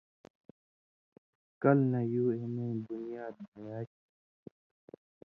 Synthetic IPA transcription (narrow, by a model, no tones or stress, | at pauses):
kɐlnɐjuːemẽːbunijaːd̪̚mɐjaː